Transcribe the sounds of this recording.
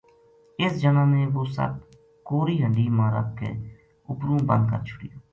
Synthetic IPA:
ɪsd͡ʒənãːnẽːʋoːsə̰b̚ | koːɾiːɦəɳɖiːmãːɾə̰p̚kḛː | ʊpɾũːbə̰nd̪̚kə̰ɾt͡ʃʰʊɽḭjoː

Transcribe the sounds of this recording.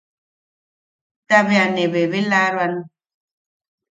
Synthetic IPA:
taβeaneβeβelaɾwan

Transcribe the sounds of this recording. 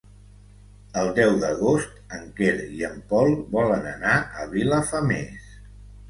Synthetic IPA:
əlˠd̪ɛwðəɣost̪əŋkeɾiəmpɔlˠβɔlənənaʔəβiləfəmes

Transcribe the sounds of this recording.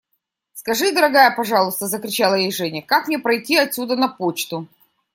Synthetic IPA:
skɐʐɨd̪əɾɐɡajəpɐʐɑlˠʊst̪əzəkɾʲɪt͡ɕalˠəjejʐɛnʲɪəkakmnʲepɾɐjtʲiɐtsʲud̪ənɐpot͡ɕt̪ʊ

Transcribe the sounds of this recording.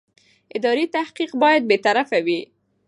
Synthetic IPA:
ɪd̪ɑɾit̪ahqiqbɑjad̪̚bet̪aɾafawi

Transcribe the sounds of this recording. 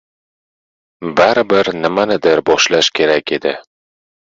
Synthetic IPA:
baɾɪbɪɾnɪmanɪd̪ɪɾbɒʃlaʃkʲʰe̞ɾakʲʰe̞d̪ɪ

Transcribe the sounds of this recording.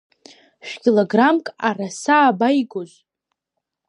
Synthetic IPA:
ʃᶣkʲiloɡramkʼarasaːbajɡoz

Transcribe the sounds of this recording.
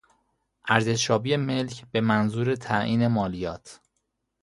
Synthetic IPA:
ʔæɾze̞ʃʃɒːbiːeme̞lcʰb̥e̞mænzuːɾe̞t̪ʰæʔiːne̞mɒːlijɒːt̪ʰ

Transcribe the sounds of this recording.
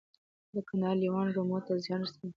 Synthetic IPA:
d̪əkanɑliwɑnɡomot̪azjɑnsi

